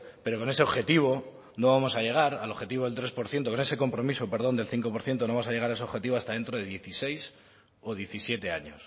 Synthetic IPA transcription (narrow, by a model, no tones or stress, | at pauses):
pe̞ɾo̞ko̞ne̞se̞oβxe̞t̪iβ̞o̞ | no̞βamo̞saʝe̞ɣ̞aɾalo̞βxe̞t̪iβo̞ðelt̪ɾe̞spo̞ɾθjent̪o̞ko̞ne̞se̞ko̞mpɾo̞misope̞ɾðo̞nd̪e̞lθiŋko̞poɾθje̞nt̪o̞noamosaʝe̞ɣaɾaes̬o̞βxe̞t̪iβoast̪aðe̞nt̪ɾo̞ðe̞ðje̞θise̞js | o̞ðje̞θisje̞t̪eaɲos